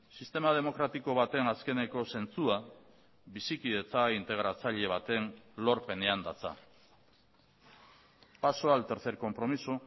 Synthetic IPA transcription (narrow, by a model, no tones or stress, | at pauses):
sist̪e̞mað̞e̞mo̞kɾat̪ikoβat̪e̞naske̞ne̞ko̞se̞nt͡sua | βisikiðe̞t͡saint̪e̞ɣ̞ɾat͡saʎe̞β̞at̪e̞nlo̞ɾpe̞neand̪a̰t͡sa̰ | paso̞alt̪eɾθe̞ɾko̞mpɾo̞miso